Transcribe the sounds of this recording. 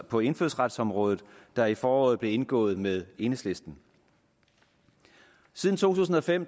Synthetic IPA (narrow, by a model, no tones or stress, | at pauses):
pʰɒ̽e̝nføðˠsʁad̥sɒ̽mʁɔ̽ːð̞ˠð̩ˠd̥ɑ̈ifɒːɒ̽ːð̩ˠb̥le̝e̝nɡ̥ɔ̰̽ːð̞̩ˠmeð̞ˠe̝nəsle̝sd̥n̩ | siːð̞ˠn̩t͡sʰo̝̰ːt͡sʰṵːs̬n̩ɒ̽fem̰